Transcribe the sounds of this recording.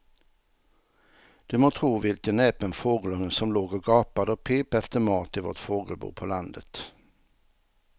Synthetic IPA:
d̪̥ʉːmoːt̪ʰʁuːʋɪlkəneːpənfoːɡlɔŋənsɔmloːɡoɡɑːpɑd̪əoːpʰeːpəɛft̪əmɑːʁt̪ʰiːʋɔ̰ʁt̪foːɡəlbṵːpʰoːlɑnd̪ət̪

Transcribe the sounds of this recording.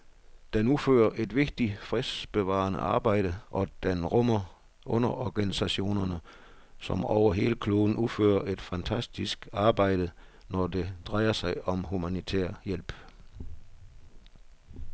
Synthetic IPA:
d̥enufø̰ːɐʔe̝d̥ʋe̝ɡ̥̚d̥ifʁisb̥e̝ʋɑ̰̈ːnə̰ɑ̈ːb̥ɑ̈ɪ̰ɾ̥əʔɒ̽d̥enʁɔmɐ | ʔɔnɐʔɒɡ̥ænisæɕo̝̰ːnɐnə | sɒ̽mɒʊ̰ɐɦe̝ːləkʰlo̝ːn̩ufø̰ːɐʔe̝d̥fænt͡sʰæsd̥isɡ̥ɑ̈ːb̥ɑ̈ɪ̰d̥ənɒd̥e̝d̥ʁɑ̈ɪɐsɑ̈ɪɒ̽mhumænit͡sʰeːɐ̰jel̰b̥

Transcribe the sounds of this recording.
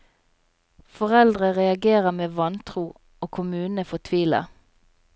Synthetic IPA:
fɔʁɛld̪ʁəʁɛɑɡeːʁəmeːʋɑnt̪ʰʁuː | oːkʰʊmʉːnəfɔt̪ʰʋiːlə̰

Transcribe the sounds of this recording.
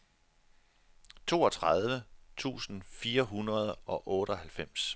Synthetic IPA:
t͡sʰo̝̰ːɒ̽t͡sʰʁað̞ˠʋət͡sʰṵːsn̩fiːɐɦunʁɐð̞ˠɒ̽ʔɔ̽ːɾ̥əɒ̽hælfem̰s

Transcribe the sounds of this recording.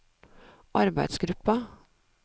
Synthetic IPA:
ʔɑɾbæɪd̪sɡɾʉpɑ

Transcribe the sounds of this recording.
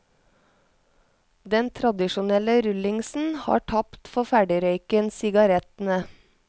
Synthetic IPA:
d̪ɛnt̪ʰɾɑd̪ɪʃʊnɛləɾʉlɪŋsn̩hɑ̰ːʈʰɑpt̪fɔfæɖɪɾœʏkənsɪɡɑɾɛt̪n̩ə

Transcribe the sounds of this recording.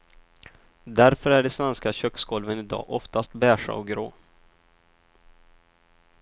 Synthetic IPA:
d̪æɾfœɾæɖɛsvɛnskaɕœkskɔlvənɪd̪ɑ̰ːʔɔft̪ast̪bæːʂa̰ɔɡɾoː

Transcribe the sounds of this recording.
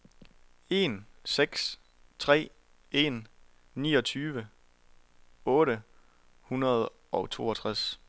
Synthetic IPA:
e̝nseɡ̥s | t͡sʰʁɛ̰ː | e̝n | nḭːɒ̽t͡sʰyːʋə | ɔ̽ːɾə | hunɐð̞̩ˠ | ɒ̽t͡sʰo̝̰ːɒt͡sʰʁas

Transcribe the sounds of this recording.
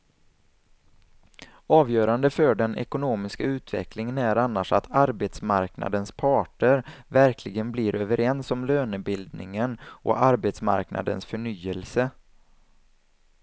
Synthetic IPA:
ɑːvjœːɾand̪əfœɖɛnʔɛ̰kʊnoːmɪskaʉ̟ːt̪vɛ̰klɪŋənæɾanːaʂat̪ʰaɾbet̪smaɾkna̰d̪ənspʰɑːʈəɾvæɾkʰlɪɡənblɪɾʔøːvəɾʔɛnsɔmløːnəbɪld̪nɪ̰ŋənʔɔ̰aɾbet̪sma̰ɾkna̰d̪ə̰nsfœɳyːəlsə

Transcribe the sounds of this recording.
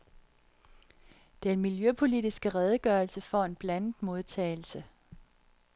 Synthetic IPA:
d̥eenmiljøpʰo̝lidisɡ̥əʁɛð̞ˠəɡ̥œːɐlsəfɒ̰e̝nb̥læn̰ð̩ˠmo̝ð̞ˠt͡sʰɛ̰ːl̩sə

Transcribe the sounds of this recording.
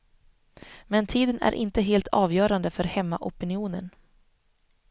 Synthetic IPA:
mɛnt̪ʰiːd̪ənæ̰ɾʔɪ̰nt̪əɦeːlt̪ʰɑːvjœːɾand̪əfœɾhɛmːa̰ʔɔpɪnɪuːnən

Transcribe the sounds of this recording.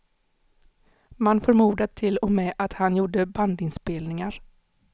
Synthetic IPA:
manfœɾmuːd̪at̪ʰɪlːɔmɛʔat̪hanjuːɖəband̪ɪnspeːlnɪŋaɾ

